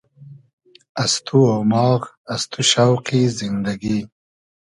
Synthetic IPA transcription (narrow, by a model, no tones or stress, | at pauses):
ast̪ʰuawmɑːk | ast̪uʃawqizɪnd̪aɡi